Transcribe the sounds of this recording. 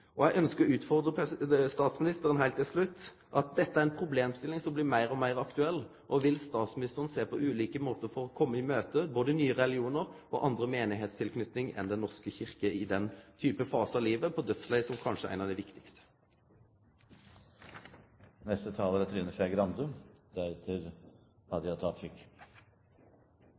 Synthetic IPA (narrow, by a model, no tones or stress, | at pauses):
ʔɔjæɪʔœnskəɾʉːt̪fɔʁd̪ʁəpʰɛst̪ɑːt̪smɪnɪst̪əʁənɦæɪlt̪ʰːɪlslʉt̪ː | ʔɑt̪̚d̪ɛt̪ːəæɾɛnpʰɾʊbleːmst̪ɪlːɪŋsɔmblɪmæɪɾɔmæɪʁɑkt̪ʉɛlː | ʔɔʋɪlst̪ɑːt̪smɪnɪst̪əʁənseːpʰɔʔʉːliːkəmoːt̪əɾfɔɾɔkʰɔmːəɪmøːt̪əboːd̪ənyːəʁɛlɪuːnəʁ | ɔ̰ʔɑnd̪ɾəmeːnɪɦeːt̪st̪ʰɪlkʰnʏt̪nɪŋɛ̰nd̪ɛnɔʁskəçɪʁkəɪd̪ɛnt̪ʰyːpəfɑːsɑliːʋəpʰɔd̪œt̪slæɪsɔmkʰɑnʂəæ̰ɪnɑʋd̪ɛɪʋɪkt̪ɪ̥kst̪ə̥ | nɛst̪ət̪ʰɑːʋəɾɛt̪ʰɾiːnəfɛɡɾɑnd̪ʉd̪æɾɛt̪ʰɪɾhɑd̪əjɑt̪ʰɑt̪ʃɪkː